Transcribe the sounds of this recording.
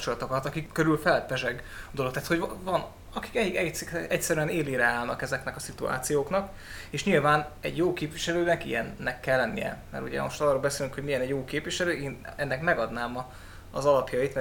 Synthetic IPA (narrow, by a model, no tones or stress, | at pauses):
pt͡ʃo̞lɒt̪okɒt̪ɒkikːøɾylfɛlpɛʒɛɡd̪olo̞kt̪aːt̪ho̞ɟvɒn | ɒki̥kɛɛɛcsɛɾyɛneːliːɾɛaːlnɒ̰kɛzɛknɛkɒsit̪ua̰ːt̪sijoːknɒk | eːʃɲilvaːnɛ̰ɟjoːkeːpʋiʃɛløːnɛkḭjɛnːɛkːɛlːɛnːḭjɛ̰mɛ̰ɾuɟɛ̰mo̞ʃt̪ɒːroːlbɛseːlyŋkho̞ɟmijɛnɛɟjoːkeːpviʃɛløːeːnɛnːɛkmɛɡɒd̪naːmɒ̰ː | zɒlɒpjɒit̪mɛ